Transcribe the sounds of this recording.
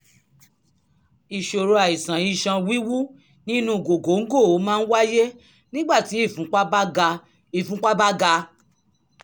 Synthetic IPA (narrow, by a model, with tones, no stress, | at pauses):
i˨ʃo˨ɾo˧a˨i˨sã˨i˧ʃã˧wi˦wu˦ | nĩ˦nũ˧˦˨ɡo˨ɡo˨˦ŋ̩˦ɡo˦˨o˨˦mãː˦n̩˦wa˦je˦ | nĩ˦ɡ͡ba˦˨ti˨˦i˦˨fũ˨˦k͡pa˦ba˦ɡa˧ | i˨fũ˦k͡pa˦ba˦ɡa˧